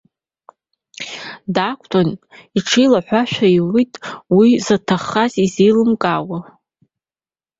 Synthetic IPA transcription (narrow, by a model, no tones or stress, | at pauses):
dakʷʰʼtʰoniʈ͡ʂʰijlaħʷaʃᶣaiwitʼwizatʰaχːazizejlɨmkʼawa